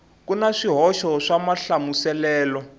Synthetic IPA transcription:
kunaʂiɦɔʃɔʂamaɬamusɛlɛːlɔ

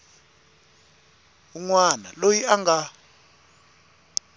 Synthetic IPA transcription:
uŋwana̰lojiaŋɡʱa

